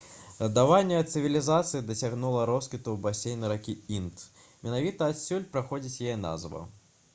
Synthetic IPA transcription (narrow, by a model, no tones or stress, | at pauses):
ɣd̪avanʲːɛɐt̪sɨvʲilʲizat̪sɨid̪ɐsʲaɣnulˠɐɾɔskʲit̪ubasʲejnɨɾakʲiint̪ | mʲɛnavʲit̪ɐːt̪sʲulʲpɾaxɔd͡zʲit͡sʲjajɛna̰zvɐ̰